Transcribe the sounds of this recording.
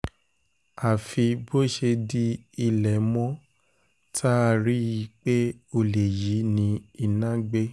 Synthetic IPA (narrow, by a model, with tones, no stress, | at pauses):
a˨fi˧bo˦ʃe˧di˦i˧lɛ˨mɔ̃˦ | tʰa˦a˧ɾi˦i˧k͡pe˦o˧le˨ji˨˦nĩ˧i˨nã˦ɡ͡be˦